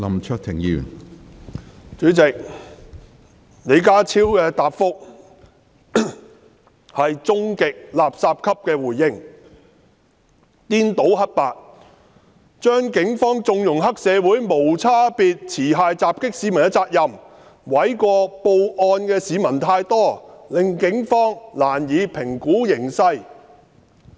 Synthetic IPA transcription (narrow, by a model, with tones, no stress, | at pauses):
lɐ˨mt͡ʃʰœː˧k̚t̪ʰɪ˨˩ŋjy̰ː˨˩n | t͡ʃyː˨˥t͡sɪ˨k̚ | ne˨˧jkaː˥t͡sʰiː˥wkɛː˧t̪aː˨pfʊ˥k̚ | hɐ˨jt͡sʊ˥ŋkɪ˨k̚laː˨p̚saː˧p̚kʰɐ˥p̚kɛː˧wuː˨˩jːɪ˧ŋ | t̪iː˥nt̪o˨˥whɐ˥t̚paː˨t̚ | t͡ʃœː˥ŋkɪ˨˥ŋfɔː˥ŋt͡sʊ˨ŋjʊ˨˩ŋɦɐ˥k̚sɛː˨˧wuː˨˥jmo˨˩wt͡sʰaː˥piː˨˧t̚t͡sʰiː˨˩ɦaː˨˧jt͡saː˨p̚kɪ˥k̚siː˨˥mɐ˨˩nɛ˧˥t͡saː˧k̚jɐ˨m | wɐ˨˥jkɔː˧po˧wʔɔː˧nkɛː˧siː˨˧mɐ˨˩nt̪ʰaː˧jt̪ɔː˥lɪ˨ŋkɪ˨˥ŋfɔː˥ŋlaː˨˩njiː˨˧pʰɪ˨˩ŋkuː˨˥jɪ˨˩ŋsɐ˧j